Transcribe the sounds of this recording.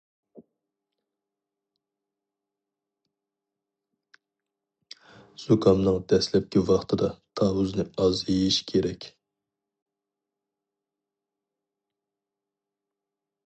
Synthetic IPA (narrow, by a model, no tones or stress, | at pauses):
z̥ukʰɑmnɨŋd̪̥ɛslɛp̚kʲivɑχt̪ʰɨd̪ɑt̪ʰɑːwuznɨɑzejiʃkʲʰeɾɛkʲ